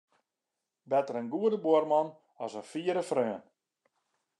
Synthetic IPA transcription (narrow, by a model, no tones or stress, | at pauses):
bɛtərənɡuədəboərmɑn | ɔsənfiəɾəfrøən